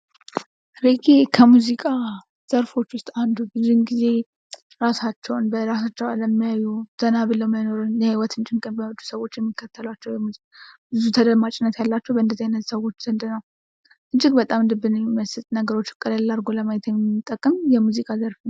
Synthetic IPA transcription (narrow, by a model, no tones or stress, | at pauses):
ɾeɡe̞kʰəmuzikʼa | z̥əɾfo̞t͡ʃːwʊst̪ʼand̪ubɨzunɡize̞ | ɾasat͡ʃːɛwnbəɾasat͡ʃːɛwalːəmːijajːuz̥ənabɨləwmano̞ɾunjɛhiwɔt̪ɨnt͡ʃʼɪŋkʼənbəhd͡ʒ̪u̥səwo̞t͡ʃːjɛmːikʰːət̪ʰːəlwat͡ʃːɛwjɛmuzi | bɨzut̪ʰəd̪əmat͡ʃʼɪnːət̪jalːat͡ʃːɛwbəɨnd̪əziajnːət̪səwo̞t͡ʃːz̥ənd̪ɨnəw | ʔɨnt͡ʃʼːɪɡbət̪ʼamɨnd̪ɨbɨnmiməsɨt̪ʼnəɡəɾo̞t͡ʃːkʼələlaɾɡo̞ləmajɛt̪jɛmɨt̪ʼːəkʼːɨmjɛmuzikʼazəɾfn